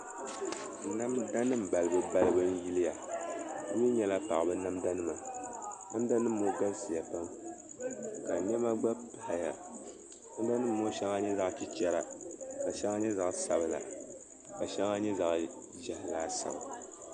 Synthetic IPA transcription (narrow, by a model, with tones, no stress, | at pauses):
na˦mda˦nɨ˦m̩˨ba˨lɨ˨bɨ˦ba˦lɨ˦bɨ˦n˦ji˦lɨ˦ja˨˦ | ɲi˦ɲɛ˦la˦pa̰˨ʔbɨ˦na˦mda˦nɨ˦ma˨na˦mda˦nɨ˦mː˦o˦ɡa˦lsi˨ja˨pa˦m | ka˨ɲɛ˦ma˦ɡ͡ba˦pa˦ha˨ja˨ | na˦m˦da˦nɨ˦m̩ː˦o˦ʃɛ˦ŋa˦ɲɛ˦za˦˨ʔt͡ʃi˨t͡ʃɛ˦ɾa˨ka˨ʃɛ˦ŋa˦ɲɛ˦za˨ʔsa˨bɨ˨la̰˨ | ka˨ʃɛ˦ŋa˦ɲɛ˦za˨ʔ | ʒa˦ha˨laː˦sa̰˨bɨ˨